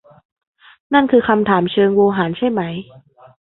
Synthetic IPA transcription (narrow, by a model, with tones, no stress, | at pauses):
na˥˩nkʰɯː˧kʰa˧mt̪ʰaː˩˦mt͡ɕʰɤː˧ŋwoː˧ɦaː˩˦nt͡ɕʰa˥˩jma˦˥j